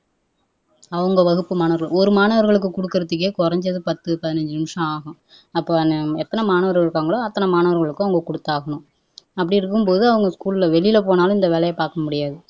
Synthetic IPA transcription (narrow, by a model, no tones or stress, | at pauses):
ɐʋɐŋɡɐʋɐɣɯpːɯmaːnɐʋɐɾɣɐɭɔɾɯmaːnɐʋɐɾɣɐɭɯk̬ːɯkɔɽɯkːɪɾɐt̪ːɯk̬ːeːkɔɾɐɲd͡ʒɐðɯpɐt̪ːɯpɐðɪnɐɲd͡ʒɯnɪmʂɐ̃aːɣɐ̃ | ɐpːoːnɛt̪ːɐnɐmaːnɐʋɐɾɣɐɪɾɯkːaːŋɡɐɭoːɐt̪ːɐnɐmaːnɐʋɐɾɣɐɭɯkːɯɐʋɐŋɡɐkɔɽɯt̪ːaːɣɐɳʊ̃ | ɐpːɐɽɪɪɾɯkːɯmpoːðɯɐʋɐŋɡɐskuːɭɪlɐʋɛɭɪjɪlɐpoːnaːlʊ̃ɪnd̪ɐʋeːlɐjɐpaːɾkɐmʊɽɪjaːðɯ